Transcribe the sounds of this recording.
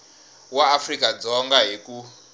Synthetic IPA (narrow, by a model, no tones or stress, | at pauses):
waːfrikad͡zɔŋɡaɦiku